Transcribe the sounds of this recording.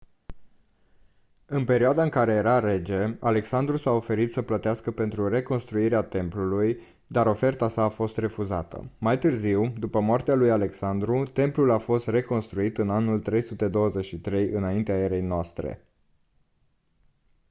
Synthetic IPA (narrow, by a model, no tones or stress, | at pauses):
ɨnpe̞ɾioad̪aɨŋkaɾe̞je̞ɾaɾe̞d͡ʒe̞ale̞ksand̪ɾusao̞fe̞ɾit̪səplət̪easkəpe̞nt̪ɾure̞ko̞nst̪ɾuiɾeat̪e̞mpluluj | d̪aɾo̞fe̞rt̪asaːfo̞st̪re̞fuzat̪ə̰majt̪ɨrziwd̪upəmoart̪ealujale̞ksand̪ɾut̪e̞mplulafo̞st̪re̞ko̞nst̪ɾuit̪ɨnanult̪ɾe̞jsut̪e̞d̪o̞wəze̞t͡ʃʃit̪ɾe̞jɨnaint̪eaeɾe̞jnoast̪ɾḛ